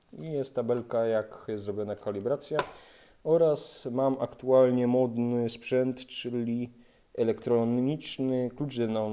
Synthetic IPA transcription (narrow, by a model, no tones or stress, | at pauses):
ijɛst̪t̪ːabɛlkajakjɛst̪zɾɔbʲjɔnakʰalʲibɾat̪sʲja | ɔɾasmamakt̪ualɲɛmɔd̪nɘspʂɛnt̪t͡ʂɘlʲi | ɛlɛkt̪ɾɔɲit͡ʂnɘklut͡ʂd̪ɛna